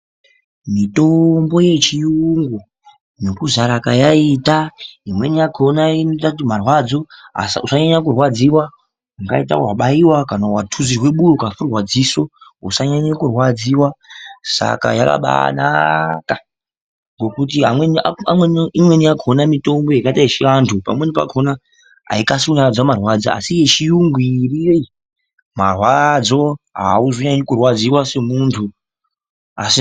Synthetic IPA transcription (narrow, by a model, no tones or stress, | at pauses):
mito̞mbo̞je̞t͡ʃijuŋɡo | no̞kuzaɾakajaitaimwe̞nijakʰonainotakutim̤arwad͡zo̞a̰sa̰usaɲaɲak̬urwad͡ziwa | aŋɡa̰ita̰waɓaiwakanawatʰuzirwe̞ɓujokafurwad͡ziso̞ṵsaɲaɲakurwad͡ziwasa̰ka̰ja̰ka̰ɓa̰na̰ka | ŋɡo̞kut̬iɦamwenaamwenimwe̞niaɡʱo̞namito̞mbo̞jakataiʃiantʰupa̰mwe̞nipa̰ɡʱo̞na | ɦa̰ikasuɲaad͡zamarwad͡za̰a̰sije̞ʃijuŋɡiːriei | marwad͡zo̞ɦa̰uzo̞ɲaɲokurwad͡ziwase̞muntʰu | a̰si